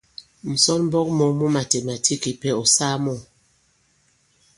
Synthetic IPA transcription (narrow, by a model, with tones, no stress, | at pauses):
m̩˨sɔ˦nm̩˦bɔ˦k̚mɔ˨˦mu˦ma˨te˨ma˨tʰi˦ki˨pɛ˦ɔ˨saː˦mɔ˦˨